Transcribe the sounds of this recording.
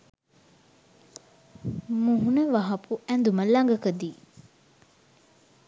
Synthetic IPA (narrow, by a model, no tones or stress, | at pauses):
muɦunəʋaɦɐpuænd̪uməlɐŋɡəkəd̪iː